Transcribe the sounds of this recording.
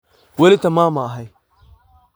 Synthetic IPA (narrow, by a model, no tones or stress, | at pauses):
wɐlitamaːmaɦaj